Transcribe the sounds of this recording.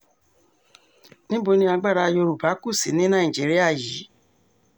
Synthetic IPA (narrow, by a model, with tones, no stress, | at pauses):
nĩ˦bo˧nĩ˧˦a˧ɡ͡ba˦˨ɾa˧jo˧ɾu˨ba˨˦ku˦˨si˨˦nĩ˦nã˦˨ĩ˨d͡ʒi˨˦ɾi˦a˦˨ji˨˦